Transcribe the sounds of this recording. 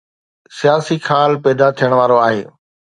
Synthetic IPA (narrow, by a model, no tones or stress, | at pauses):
sijaːsixʰaːlpɛːd̪at̪ʰijəɽ̃ʋaːɾoaːɦeː